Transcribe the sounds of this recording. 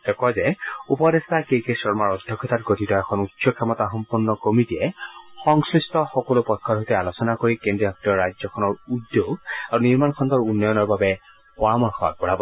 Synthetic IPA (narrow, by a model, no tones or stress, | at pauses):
ɛkazɛupɔdestakekesɔɹmaɹɔdʱjɔkʰːɔtatɡotʰitɔɛkʰɔnutsɔkʰɛmɔtaxɔmpuɹnːɔkomitiɛxɔŋsɹistɔxɔkolʊpɔjkʰːɔdʱotɛalosɔnakoɹikendiɔɔk̚tɔɔɹajd͡ʒzɔkʰɔnɔɹudjoɡaɹuniɹmankʰɔntɔɹunːɔjɔnɔɹbabɛ | pɔɹamɔɹxʰɔa̰k̚pɔɹabɔ